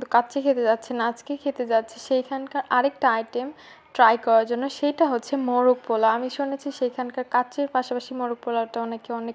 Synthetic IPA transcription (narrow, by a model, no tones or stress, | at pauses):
it̪ukatːt͡ɕekʰet̪ed͡ʑatːɕʰenaad͡ʑkekʰet̪ed͡ʑatːʰeʃejkʰankaɾaɾek̚ʈaajʈem | ʈɾajkɔɾaɾd͡ʑonːoʃejʈaɦotːɕʰemoɾok̚polaamiʃonet͡ɕʰiʃejkʰankaɾkatːt͡ɕeɾpaʃapaʃimoɾok̚polaʈaɔnekeɔnek